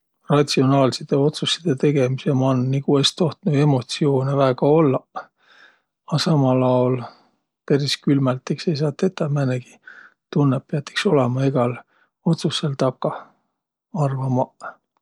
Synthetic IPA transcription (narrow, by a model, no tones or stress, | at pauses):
rɑt̪sio̞nɑːlsit̪eo̞t̪susːi̥d̪̥et̪e̞ɡ̥e̞misemɑnnikuest̪o̞ht̪nue̞mo̞t̪sio̞ːnevæːɡ̥ɑo̞lːɑ | ɑsɑmɑlɑwl | pæɾiskylmælt̪ːˑekse̞js̬ɑːt̪ːˑet̪ːˑɑmæneɡ̥i̥ | t̪unːepːeɑt̪ːi̥kso̞lemɑiɡ̥ɑl | o̞t̪susːelt̪ɑkːɑ | ɑrvɑmɑ